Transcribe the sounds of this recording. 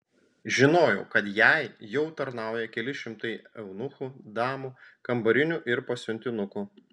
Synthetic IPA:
ʒʲɪnoːjɛʊkɐt̪jæˑɪjɛʊt̪ɐɾnɑˑʊjɛkʲɛlʲɪʃʲɪmt̪ɐɪɛʊnʊxud̪ɑːmuːkɐmbɐɾʲɪnʲuˑʔɪɾpɐsʲʊnʲt̪ʲɪnʊku

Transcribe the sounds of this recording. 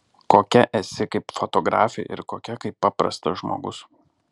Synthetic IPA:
koːkʲɛʔɛsʲɪkɐɪpfot̪oɡɾɑ̰ːfʲɪʔɪ̰ɾkoːkʲɛkɐɪpːɑːpɾɐ̰st̪ɐʒmo̰ːɡʊs

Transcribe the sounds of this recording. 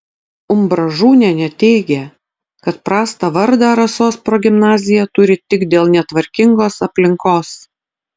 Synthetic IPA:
ʊmbɾɐʒuːnʲɛnʲɛt̪ʲɛɪɡʲɛ | kɐt̪pɾɑːst̪ɑʋɐɾd̪ɑːɾɐsoːspɾoːɡʲɪmnɑːzʲɪjɛt̪ʊɾʲɪt̪ʲɪɡd̪ʲeːlˠnʲɛt̪ʋɐɾʲkʲɪŋɡoːsɐpʲlʲɪŋkoːs

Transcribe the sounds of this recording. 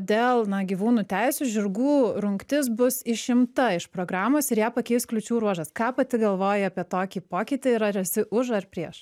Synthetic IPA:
d̪ʲeːlˠnɐɡʲiːʋuːnuːt̪ʲɛɪsʲuːʒʲɪɾɡuːɾʊŋkt̪ʲɪs̬bʊsɪʃʲɪmt̪ɐɪʃpɾoːɡɾɑːmoːsɪɾjæːpɐkʲɛɪsklʲʊt͡ʃʲuːɾuɔʒɐskɑːpɐt̪ʲɪɡɐlˠʋoːjɪɐːpʲiɛt̪oːkʲiːpoːkʲɪt̪ʲɪɪɾɐɾʲɛsʲɪʔʊʃɐrpʲɾʲiɛʃ

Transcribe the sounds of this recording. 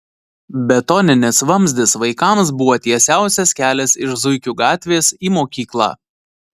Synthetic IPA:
bʲɛt̪ɔnʲɪnʲɪsʋɐmʲzʲd̪ʲɪsʋɐɪkɑms̬bʊʋoːt̪ʲiɛsʲæˑʊsʲɛskʲæːlʲɛsɪʃzʊɪkʲuːɡɑːt̪ʲʋʲeːsiːmoːkʲiːklˠɑ̰ː

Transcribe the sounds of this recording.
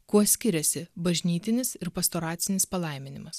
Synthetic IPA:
kuɔsʲkʲɪɾʲɛsʲɪbɐʒʲnʲiːt̪ʲɪnʲɪsɪɾpɐst̪oːɾɑːt̪sʲɪnʲɪspɐlˠɐɪmʲɪnʲɪmɐs

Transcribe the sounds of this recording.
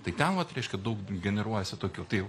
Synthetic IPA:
t̪ɐɪt̪ʲɛnʋɐt̪ɾʲɛɪʃʲkʲɛd̪ɐʊkɡʲɛnʲɛɾuɔjɛsʲɪt̪oːkʲuːt̪ɐɪ

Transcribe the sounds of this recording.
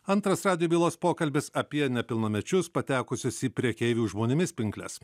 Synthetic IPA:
ɐnt̪ɾɐsɾɑːd̪ʲɪjobʲiːlˠoːspoːkɐlʲbʲɪsɐpʲiɛnʲɛpʲɪlˠnɐmʲɛt͡ʃʲʊspɐt̪ʲæːkʊsʲʊsipʲɾʲiɛkʲeːʋʲuːʒmoːnʲɪmʲɪspʲɪŋklʲɛ̰s

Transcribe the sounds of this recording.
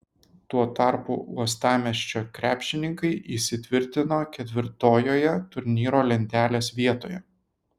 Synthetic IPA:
t̪uɔt̪ɑˑɾpṵːuɔst̪ɑːmʲɛʃʲt͡ʃʲoːkɾʲæːpʲʃʲɪnʲɪŋkɐɪʔiˑsʲɪt̪ʲʋʲɪɾʲt̪ʲɪnoːkʲɛt̪ʲʋʲɪɾt̪oːjoːjɛt̪ʊɾʲnʲiːɾoːlʲɛnʲt̪ʲæːlʲeːsʋʲiɛt̪oːjɛ

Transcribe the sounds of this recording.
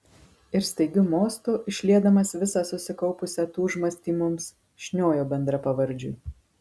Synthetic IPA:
ɪɾst̪ɐɪɡʲʊmoːst̪oːʔɪʃʲlʲiɛd̪ɐmɐsʋʲɪsɑsʊsʲɪkɒʊpʊsʲɛt̪uːʒmɐsʲt̪ʲiːmʊms | ʃʲnʲoːjoːbʲɛnd̪ɾɐpɐʋɐɾʲd͡ʒʲʊ̰ɪ

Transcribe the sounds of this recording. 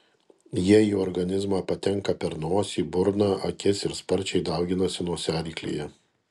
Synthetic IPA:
jiɛjuːɔɾɡɐnʲɪzmɑːpɐt̪ʲɛŋˑkɐpʲɛɾnoːsʲiːbʊɾnɑːʔɐkʲɪsɪɾspɐɾʲt͡ʃʲɛɪd̪ɐˑʊɡʲɪnɐsʲɪnuɔsʲæːlʲiːklʲḭːjɛ

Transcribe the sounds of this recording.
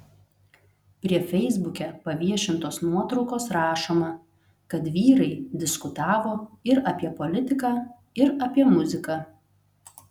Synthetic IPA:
pʲɾʲiɛfʲɛɪzbʊkʲɛpɐʋʲiɛʃʲɪnt̪oːsnuɔt̪ɾɒʊkoːsɾɑːʃoːmɐ | kɐt̪ʋʲiːɾɐɪd̪ʲɪskʊt̪ɑːʋoːɪɾɐpʲiɛpɔlʲɪt̪ʲɪkɑː | ɪɾɐpʲiɛmʊzʲɪkɑ

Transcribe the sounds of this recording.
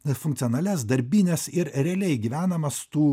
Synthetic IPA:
fʊŋkt̪ʲɔnɐːlʲɛsd̪ɐɾʲbʲinʲɛsɪɾɾʲɛɐlʲɛɪɡʲiʋʲæːnɐmɐst̪uː

